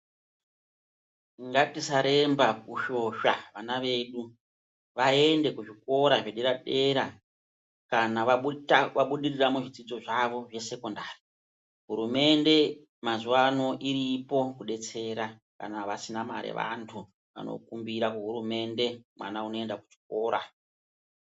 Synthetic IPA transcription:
ŋɡatisaɾe̞mbakuʃo̞ʃaʋanaʋe̞ːɗu | ʋae̞nde̞kuʐiko̞ɾaʐeɗe̞ɾaɗe̞ɾa | kana | ʋaɓuɗiriramuʐid͡zid͡zo̞ʐaʋo̞ʐe̞se̞ko̞ndaːri | ɦuɾume̞nde̞ | mazuwano̞ʔiɾipo̞kuɗe̞t͡se̞ɾaka̰naʋasinamaɾḛʋa̰ntʰu | ʋa̰no̰kumbiɾakuɦuɾume̞nde̞mwa̰nauno̞e̞ndakuʐi̥ko̞ːɾa

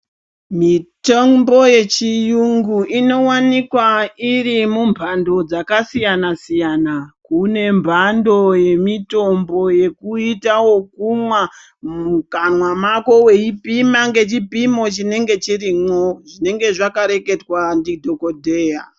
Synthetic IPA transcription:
mitombo̞je̞t͡ʃijuŋɡuʔino̞wanikwairimumbʱando̞d͡zakasijanasijanakune̞mbʱando̞je̞mito̞mbo̞je̞kuitawo̞kumwa | mukamwamako̞we̞ipimaŋɡe̞t͡ʃipimo̞t͡ʃine̞ŋɡe̞t͡ʃiɾimwoʐine̞ŋɡe̞ʐakaɾe̞ke̞twandidʱo̞ko̞dʱe̞ːja

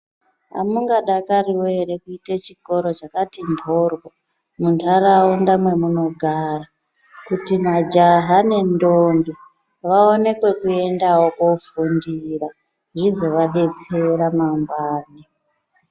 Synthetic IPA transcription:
a̰muŋɡaɗakariwoeɾekuitet͡ʃiko̞ɾo̞t͡ʃakatimbʱo̞rwo | muntʰarawondamwe̞muno̞ɡʱara | kutimad͡ʒaɦane̞ndonbi | ʋaone̞kwe̞kue̞ndawo̞kofundira | ɦizo̞ʋaɗe̞t͡se̞ɾamambwaːni

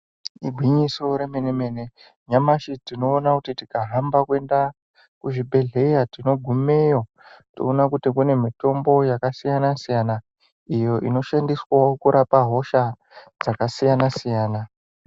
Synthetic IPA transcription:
iɡʱwiɲiso̞ɾemeneme̞ne̞ | ɲamaʃitino̞ːnakutitikaɦambakwe̞nda | kuʐibʱe̞ɮe̞jatino̞ɡʱumejo | to̰ːnakutikune̞mito̞mbo̞jakasijanasijana | ijo̞ʔino̞ʃandiswaokuɾʔapaɦo̞ʃa | d͡zakasijanasijaːna

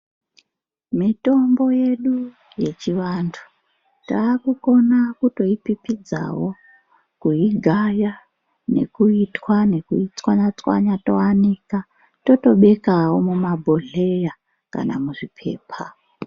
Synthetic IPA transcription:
mito̞mbo̞je̞ɗu | je̞t͡ʃiʋandʰu̥ | taːkuko̞nakuto̞ipipid͡za̰wo̞ | kuiɡʱaja | ne̞̰kuitwane̞kuit͡swaɲat͡swa̰ɲato̞anika | to̞to̞ɓe̞kawo̞mumabʱo̞ɮe̞ja | ka̰na̰muʐipʰe̞̰ːpʰa

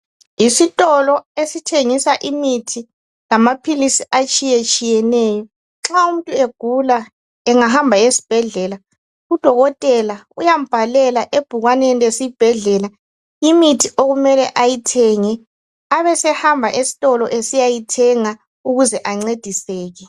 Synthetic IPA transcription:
isitʼɔlɔesitʰeŋisaʔimitʰi | lamapʰilisiat͡ʃʼijet͡ʃʼijɛnɛːjɔ | ǁaum̩tʼueɡ̥ʱula | ɛŋahambʱaesi̥b̥ʱɛɮɛla | ud̥ʱɔɣɔtʼɛlaujam̩b̥ʱalɛlaʔeb̥ʱuɣwanenilesib̥ʱɛɮɛla | imitʰiʔoɣumɛlɛʔajitʰɛŋɛ | aβɛsɛhambʱaʔesi̥tʼɔlɔʔesijajitʰɛŋa | uɣuzɛʔaŋ͡ǀed̥ʱisɛːɣɛ

